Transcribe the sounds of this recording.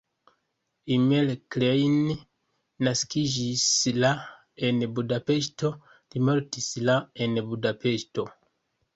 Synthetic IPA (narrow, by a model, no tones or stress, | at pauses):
imelklejnː | askid͡ʒisla | enbudapeʃto̞ | limoɾtislaenbudape̞ʃto̞